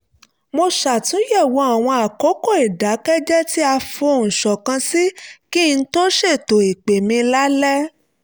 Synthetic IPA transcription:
mo˧ʃa˨tũ˨˦jɛ˦˨wo˨˦a˨w̃ɔ̃˧a˨ko˨˦ko˦˨i˨da˨˦kɛ˦d͡ʒɛ˦ti˦a˧fõ˧˨ñ̩˨ʃɔ˨kã˧si˦ki˦˧n̩˦to˦ʃe˦˨to˨i˨k͡pe˨mĩ˧la˦lɛ˦

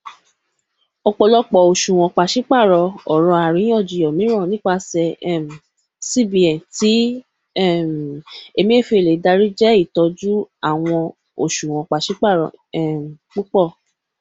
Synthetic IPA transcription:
ɔ˧k͡pɔ˧lɔ˦k͡pɔ˨o˨ʃũ˨w̃ɔ̃˧k͡pa˨ʃi˨˦k͡pa˦˨ɾɔ˧ɔ˨ɾ̃ɔ̃˧a˨ɾĩ˨˦ɔ̃˦˨d͡ʒi˨jɔ˨mĩ˨˦ɾɔ̃˦˨nĩ˦k͡pa˧sɛ˧ɛ˦˨m˨ | si˦˨bĩ˨ɛ̃˨ti˨˦ | ɛ˦˨e˧mĩ˦e˦˨fe˧e˨le˨˦da˧˦ɾi˦d͡ʒɛ˦i˦˨tɔ˧d͡ʒu˦a˦˨w̃ɔ̃˧ | o̰˨ʃũ˨w̃ɔ̃˨k͡pa˨ʃi˨˦k͡pa˦˨ɾɔ̰˧˨ɛ˨k͡pu˦k͡pɔ˦˨

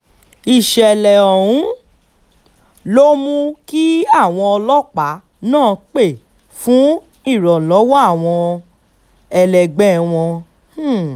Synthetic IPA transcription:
i˨ʃɛ˨lɛ˨ɔ˨ɾũ˨˦ | lo˦mũ˦ki˦a˦˨w̃ɔ̃˧ɔ˧lɔ˦k͡pa˨˦ | nãː˦˨k͡pe˦˨ | fũ˨˦ | i˦˨ɾɔ˨lɔ˨˦wɔ˦a˦˨w̃ɔ̃˧ | ɛ˧lɛ˨ɡ͡bɛ˨˦w̃ɔ̃˧˦˨

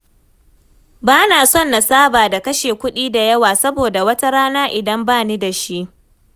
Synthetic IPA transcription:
baː˦naː˨sɔ˦˨nːa˨saː˦baː˨da˨kɐ˦ʃeː˨kʷʊ˦ɗiː˦da˨jɐ˦waː˨sɐ˦boː˨da˨wɐ˦ta˦ɽaː˦naː˦ʔɪ˨dɐ˦mbaː˦˨ni˦da˨ʃi˦ʔ

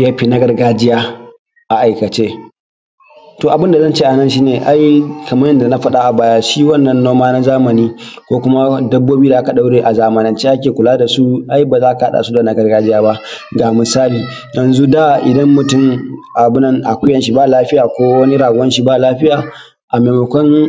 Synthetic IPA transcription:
ja˦ɸiː˨nɐ˦ɡɐ˨rɡaː˦d͡ʒɪ˦jaː˦ | ʔa˨ʔa˨jkɐ˨t͡ʃeː˦ | toː˨ʔa˨bɪ˦nda˨zɐ˦nt͡ʃeː˦ʔa˨nɐ˦nʃ̬iː˦neː˨ʔa˦jkɐ˨mɐ˦jɐ˦nda˨na˦ɸɐ˦ɗa˦ʔa˨baː˦jaː˦ʃiː˦wɐ˦˨nːɐ˦˨nːoː˦maː˦na˦zaː˦mɐ˨niː˦kʷoː˦kʷʊ˦ma˦dɐ˦bːoː˦biː˦da˨ʔa˦ka˨ɗa˦wɽeː˨ʔa˨zaː˦mɐ˨nɪ˦nt͡ʃeː˦ʔa˦kʲeː˨kʷʊ˨laː˦da˨su˦ʔa˦jbaː˨zaː˦ka˨ha˦ɗa̰˨su˦da˨nɐ˨ɡɐ˦rɡaː˦d͡ʒɪ˦jaː˦ba˦ʔɡaː˨mɪ˨saː˦liː˨ | jɐ˨nzu˦da˦˨ʔɪ˨dɐ˦mːʊ˨tʊ˦˨mʔa˨bʊ˦nɐ˦ŋʔa̰˨kʷʊ˦jɐ˨nʃi˦baː˦˨laː˦ɸɪ˦jaː˨kʷoː˦wɐ˦ni˦ɽaː˨ɡʊ˨wɐ˦nʃi˦baː˦˨laː˦ɸɪ˦jaː˨ | ʔa˨meː˨mɐ˨kʷɔ˦n

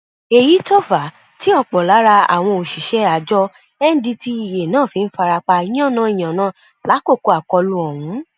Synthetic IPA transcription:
e˨ji˨˦tɔ˦fa˨ | tĩ˦ɔ˧k͡pɔ˨la˨˦ɾa˧a̰˨w̃ɔ̃˧o˨ʃi˨ʃɛ˦a˨d͡ʒɔ˧ | ɛ˦n̩˦di˧ti˧i˨je˨nãː˦˨fi˧n̩˦fa˧ɾa˧k͡pa˧i˦j̃ɔ̃˦˨nã˦i˦˨j̃ã˨nãː˦˨ | la˨˦ko˦˨ko˧a˨kɔ˧lũ˧˦ɔ˨wũ˨˦

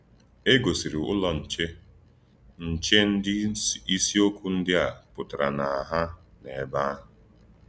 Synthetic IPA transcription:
e˦ɡo˨si˨ɾi˨ʊ̰˦lɔ˦n̩˨t͡ʃe˦ | n̩˨t͡ʃe˦n̩˦dɪ˦i˦si˦o˦kʷu˦n̩˦dɪ˦a˨pʊ˨ta˨ɾa̰˨na˨a˨ɦa˦ne˨ba˦

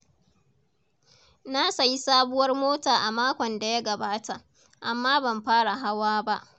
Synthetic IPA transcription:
na˦sa˨ji˦saː˦bʊ˦wɐ˦rmoː˦taː˨ʔa˨maː˦kʷɔ˨nda˨ja˦ɡɐ˨baː˦ta˨ʔ | ʔa˨mːaː˦bɐ˨mɸaː˦ɽa˨ɦa˦waː˦ba˦ʔ

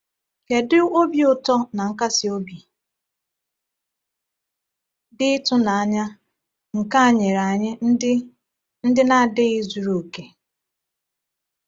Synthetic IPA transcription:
ke˨dɪ˦o˦bi˦ʊ˨tɔ˦na˨ŋ̩˦ka˦sɪ˦o˦bi˨ | dɪ˦tʊ˦na˨a˦ɲa˦ | ŋ̩˨ka˦a˨ɲe˨ɾa˨ɲɪ˦ɪ˦ | n̩˦dɪ˦na˦˨dɪ˦i˦zu˨ɾo˨ke˨

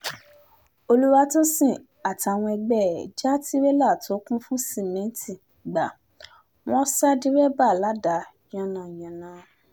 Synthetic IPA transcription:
o˧lu˦wa˦tɔ˦sĩ˦˨ | a˨ti˨˧a˧˨w̃ɔ̃˧ɛ˧ɡ͡bɛ˦˨d͡ʒa˦ti˦we˦la˦˨to˨˦kũ˦fũ˦si˦˨mɛ̃˨˦ti˦˨ | ɡ͡ba˨ | w̃ɔ̃˦sa˦di˦wɛ˦ba˦˨la˨˦da˨˦ | j̃ã˧nã˨jã˨nã˨˦

